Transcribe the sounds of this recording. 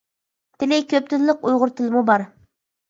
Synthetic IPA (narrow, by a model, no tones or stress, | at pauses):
t̪ʰɪlɪkʲøp̚t̪ʰɪnlːɪqujʁʊɾt̪ʰɪlɪmubɑɾ